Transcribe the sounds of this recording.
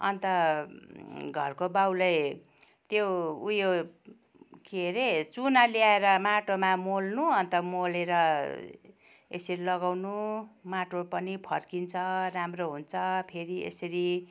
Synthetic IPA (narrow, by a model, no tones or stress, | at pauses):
ʌ̰nt̪ʌ | ɡʱʌ̰rkobawlʌj | t̪joujo | kʰieɾet͡sunaljaeɾʌmaʈomamolnuʌnt̪ʌmoleɾʌ | ḛsʌɾilʌɡawnumaʈopʌnipʰʌrkint͡sʰʌramroɦunt͡sʰʌpʰeɾiḛsʌɾi